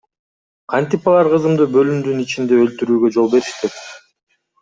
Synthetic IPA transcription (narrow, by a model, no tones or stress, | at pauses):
qʰɑnt̪ipɑlˠɑɾqʰɯzɯmd̪ɯbø̞lymd̪ynit͡ʃind̪e̞ølt̪yɾyːɡø̞d͡ʒo̞lˠbe̞ɾiʃt̪et̪